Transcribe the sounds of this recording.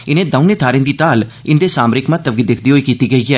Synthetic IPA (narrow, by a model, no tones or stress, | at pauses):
ɪnẽːd̪əʊneːt̪ʰaːɾẽnd̪iːt̪aːlɪnd̪eːsaːmɾɪkmət̪ːəbɡiːd̪ɪkʰd̪iːɦoːiːkiːt̪iːɡəiːɛː